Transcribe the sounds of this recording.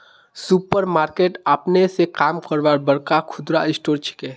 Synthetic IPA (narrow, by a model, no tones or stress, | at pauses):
supəɾmaːɾkeːʈaːpnesekaːmkəɾʋaɾbəɽkakʰʊd̪ɾaɪsʈoːɾt͡ʃʰi̥keː